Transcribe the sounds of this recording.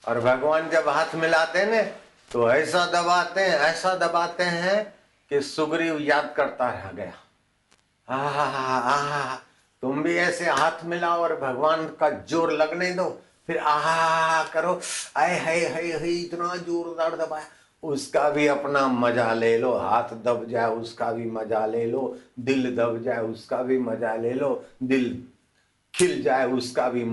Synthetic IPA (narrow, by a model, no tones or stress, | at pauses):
ɔ̰ːɾbʱɐɡʋaːnd͡ʒɐbɦaːt̪ʰmɪlaːt̪enɛ̃ | t̪oɛːsad̪ɐbaːt̪eɦɛ̃ɛːsad̪ɐbaːt̪eɦɛ̃ | kesʊɡɾijaːd̪̚kɐɾt̪aɾɐ̰ɦɡɐja̰ː | aːɦɦaɦa | t̪ʊmbʱiɛːseɦaːt̪ʰmɪlaːoɔːɾbʱɐɡʋaːnkad͡ʒoːɾlɐɡned̪oː | pʰɪɾaːɦakəɾoːaeɦəɦəiɦit̪nad͡ʒoːɾd̪əɽd̪ɐbaː | ʊskabʱiɐpnamɐd͡ʒaleːloɦa̰ːt̪ʰd̪əbd͡ʒaːeʊskabʱimɐd͡ʒaleːloːd̪ɪld̪əbd͡ʒaːeʊskabʱimɐd͡ʒaleːloːd̪ɪl | kʰɪld͡ʒaːeʊskabʱi